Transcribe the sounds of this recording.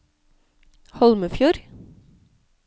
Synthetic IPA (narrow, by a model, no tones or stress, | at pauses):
hɔlməfjuːɾ